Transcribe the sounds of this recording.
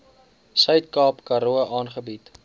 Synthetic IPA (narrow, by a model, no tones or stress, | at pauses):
sœɥtkɑːpkɐɾuəʔɑːnχəbit